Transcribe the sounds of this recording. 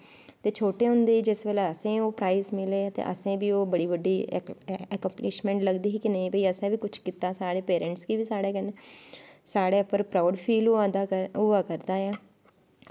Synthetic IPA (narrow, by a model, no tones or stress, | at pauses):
t̪eːt͡ʃʰoːʈeːɦʊ̃nd̪eːid͡ʒɪsʋelaəsẽːoːpɾaːizmɪleːt̪ḛːʔə̰sẽːbiːoːbəɽiːʋəɖːiː | ɛkə̃mplɪʃmɛ̃ːɳʈləɡd̪iːɦiːkɪnəĩbəiːəsẽːbiːkʊt͡ʃʰkit̪aːsaːɽeːpeːɾɛ̃ɳʈskiːʋiːsaːɽeːkəneːsaːɽeːpəɾpɾaːɖpʰiːlod̪aːʊaːkəɾd̪aːɛː